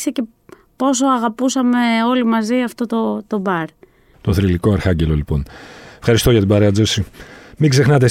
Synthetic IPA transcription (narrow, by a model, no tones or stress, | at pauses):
sece̞ | po̞s̬o̞ɐɣɐpusɐme̞o̞limɐziɐft̪o̞t̪ot̪o̞bɐɾ | t̪o̞θɾiliko̞ɐɾxɐɲɟe̞lo̞lipo̞nefxɐɾist̪oʝɐt̪ibɐɾeɐd͡zosimiɡze̞xnɐt̪̬e̞